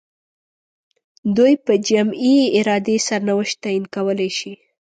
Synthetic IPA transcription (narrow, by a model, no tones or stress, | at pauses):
d̪ujpəd͡ʒamieɪɾɑd̪esaɾnawəʃt̪ɑjinkawəlajʃi